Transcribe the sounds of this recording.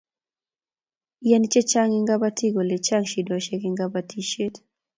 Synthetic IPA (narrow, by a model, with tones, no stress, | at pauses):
jɛ˦nt͡ʃe˦t͡ʃa˦ŋɪ˦ŋɡa˦ba˦tʰi˦ɡo˨le˨t͡ʃa˦ŋʃi˨dwa˨ʃe˦ki˦ŋɡa˦ba˦tʰi˦ʃe˦t